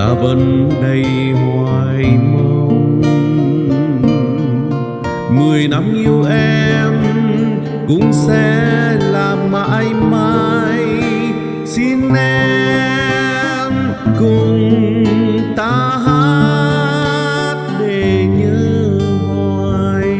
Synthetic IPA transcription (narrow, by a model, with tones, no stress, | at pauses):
aː˧˦və˧nɗə˧jɦa˨˩jmə˧w | mɨ˨˩əjna˧mʔi˧əwʔɛ˧m | kʊ̰˧˥ŋ͡msɛ̰˧˥laː˨˩ma̰ː˧jma˧j | si˧nʔɛ˧mʔɛ | m | kʊ˨˩ŋ͡m | t̪aː˧˦ɦa˧˥ | t̚ɗe˨˩ɲɨ˧˥ | ŋa˨˧˩ | j